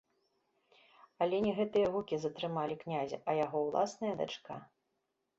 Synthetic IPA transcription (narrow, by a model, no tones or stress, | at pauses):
ɐlʲɛnʲɛɣɛt̪ɨjɐɣukʲizɐt̪ɾɨmalʲiknʲazʲɐ̰ʔɐjaɣɔwlˠa̰snɐjɐd̪a̰t͡ʂka